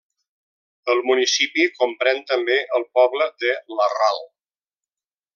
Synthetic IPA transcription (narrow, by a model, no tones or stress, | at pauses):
əlˠmunisipikompɾɛnt̪əmbeʔəlˠpɔβləðələra̰lˠ